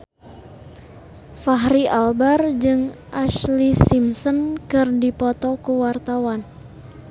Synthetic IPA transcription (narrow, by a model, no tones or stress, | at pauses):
faɦɾiʔalbard͡ʒɨŋʔaʃlisimsɔnkɨrdipɔt̪ɔkuwart̪awan